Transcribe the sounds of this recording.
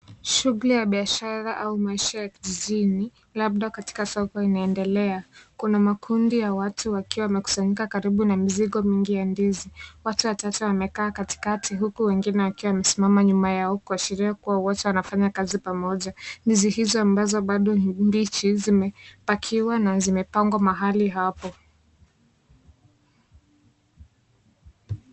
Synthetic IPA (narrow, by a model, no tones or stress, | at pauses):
ʃuɣulijaɓiaʃaɾaʔaumaiʃajakiʄiʄini | laɓ̚ɗakati̥kasɔkɔinaɛndɛlɛakunamakʰundijawatʰuwakiwawamɛku̥saɲikakaɾiɓunamiziɠɔmiŋɡijandiziwatuwatatuwamɛkaːkati̥katʰiɦukuwɛŋɡinɛwakiwawmɛsimamaɲumajaɔkuaʃiɾiakuwawɔtɛwanafaɲakazipamɔʄandizihizɔambazɔɓaɗɔmbit͡ʃizimɛpakʰiwanazimɛpaŋɡwamaɦaliɦapɔ